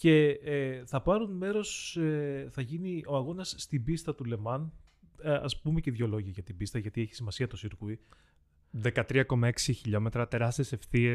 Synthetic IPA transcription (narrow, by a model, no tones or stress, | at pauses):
ce̞θɐpɐɾunme̞ɾo̞seθɐʝinio̞ɐɣo̞nɐsːt̪ibist̪ɐt̪ule̞mɐn | ɐ̰spumeceðʝo̞lo̞ʝiɐʝɐt̪ibist̪ɐʝɐt̪ieçi̥simɐsiɐt̪osiɾɣui | ðe̞kɐt̪ɾiɐko̞mɐeksiçiʎo̞me̞t̪ɾɐt̪e̞ɾɐst̪iese̞fθie